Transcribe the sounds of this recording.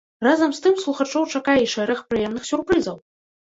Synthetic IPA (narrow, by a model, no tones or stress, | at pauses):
razɐmst̪ɨmslˠuxat͡ʂɔwt͡ʂakajɛiʂɛɾɐxpɾɨjɛmnɨxsʲurpɾɨzɐw